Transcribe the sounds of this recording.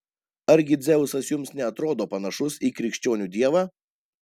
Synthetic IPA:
ɐɾʲɡʲɪd̪zʲɛʊsɐsjʊmsnʲɛɐt̪ɾoːd̪oːpɐnɐʃʊsiːkɾʲɪkʃʲt͡ʃʲoːnʲuːd̪ʲiɛʋaː

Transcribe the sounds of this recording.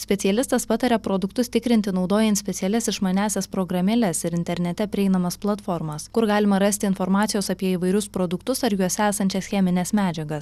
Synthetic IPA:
sʲpʲɛt̪sʲɪɛlʲɪst̪ɐspɑt̪ɐɾʲɛpɾoːd̪ʊkt̪ʊst̪ʲɪkɾʲɪnʲt̪ʲɪnɒʊd̪oːjɛnt̪sʲpʲɛt̪ʲɪɛlʲɛsɪʃmɐnʲæːsʲɛspɾoːɡɾɐmʲɛlʲɛsɪɾɪnʲt̪ʲɛɾʲnʲɛt̪ʲɛpʲɾʲɪɛɪnɐmɐsplˠɐt̪foːɾmɐskʊɾɡɑːlʲɪmɐɾɐsʲt̪ʲɪnfɔɾmɑːt̪ʲɪjoːsɐpʲiɛiʋɐɪɾʲʊspɾoːd̪ʊkt̪ʊsɐɾjuɔsʲæːsɐnʲt͡ʃʲɛsxʲɛmʲɪnʲɛsmʲæːd͡ʒʲɛɡɐs

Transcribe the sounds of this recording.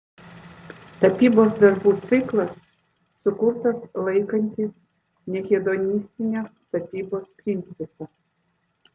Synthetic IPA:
t̪ɐpʲiːboːsd̪ɐɾbuːt̪sʲɪklˠɐsː | ʊkʊɾt̪ɐslˠɐɪkɐnʲt̪ʲiːs | nʲɛkʲɛd̪onʲisʲt̪ʲɪnʲeːst̪ɐpʲiːboːspʲɾʲɪnʲt̪sʲɪpɐ

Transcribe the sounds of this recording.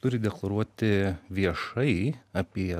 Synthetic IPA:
t̪ʊɾʲɪd̪ʲɛklˠɐɾuɔt̪ʲɪʋʲiɛʃɐɪɐpʲiɛ

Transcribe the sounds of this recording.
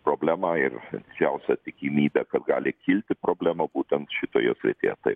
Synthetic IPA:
pɾoːbʲlʲæːmɑɪrd̪ʲɪd͡ʒʲɛʊsʲɛt̪ʲɪkʲimʲiːbʲɛkɐt̪ɡɑːlʲɪkʲɪlʲt̪ʲɪpɾoːbʲlʲæːmɐbuːt̪ʲɛnt̪ʃʲɪt̪oːjo̰ːsʲɾʲɪ̰t̪ʲeːjɛt̪ɐɪp

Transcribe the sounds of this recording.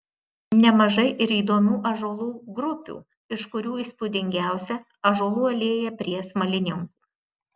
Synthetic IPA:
nʲɛmɐʒɐɪʔɪɾiːd̪oːmʲuːʔɐʒoːlˠuːɡɾʊpʲṵː | ɪʃkʊɾʲuːiːspʊd̪ʲɪŋʲɡʲæˑʊsʲɛ | ɐʒoːlˠuːɐlʲeːjɛpʲɾʲiɛsmɐlʲɪnʲɪŋkuː

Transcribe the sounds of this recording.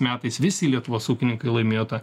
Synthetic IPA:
mʲæːt̪ɐɪsʋʲɪsʲɪlʲiɛt̪ʊʋoːsuːkʲɪnʲɪŋkɐɪlˠɐɪmʲeːjot̪ɐ

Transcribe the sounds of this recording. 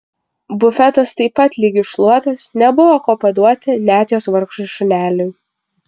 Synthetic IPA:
bʊfʲɛt̪ɐst̪ɐɪpːɐt̪ʲlʲiɡʲɪʃlˠuɔt̪ɐsnʲɛbʊʋoːkoːpɐd̪uɔt̪ʲɪnʲæːt̪ʲɪjoːsʋɐɾkʃt̪ʊʃʲʊnʲæːlʲʊj

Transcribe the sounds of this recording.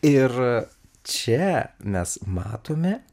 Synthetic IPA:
ɪɾ | t͡ʃʲɛmʲɛsmɑːt̪oːmʲɛ

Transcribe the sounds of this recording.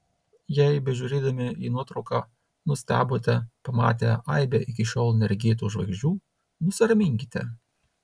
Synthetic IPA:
jɛɪbʲɛʒʲuːɾʲeːd̪ɐmʲɪiːnuɔt̪ɾɒʊkɑː | nʊsʲt̪ʲæ̰ːbot̪ʲɛpɐmɑ̰ːt̪ʲɛɐɪbʲɛʔɪkʲɪʃʲoːlˠnʲɛɾʲɡʲeːt̪uːʒʋɐ̰ɡʒʲd͡ʒʲuː | nʊsʲɪɾɐmʲɪŋʲkʲɪt̪ʲɛ̰

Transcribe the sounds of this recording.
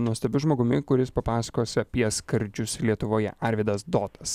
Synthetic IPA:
nuɔsʲt̪ʲɛbʲʊʒmoːɡʊmʲɪkʊɾʲɪspɐpɑːsɐ̥koːsʲɪɐpʲiɛskɐɾʲd͡ʒʲʊslʲiɛt̪ʊʋoːjɛ̰ɐɾʲʋʲɪd̪ɐsd̪oːt̪ɐs

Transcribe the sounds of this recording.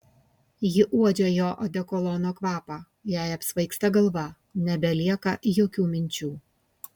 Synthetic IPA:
jɪʔuɔd͡ʒʲoːjoːʔɔd̪ʲɛkɔlˠɔnoːkʋɑːpɑː | jæˑɪɐpsʋɐɪkst̪ɐɡɐlˠʋɐ | nʲɛbʲɛlʲiɛkɐjoːkʲuːmʲɪnʲt͡ʃʲuː

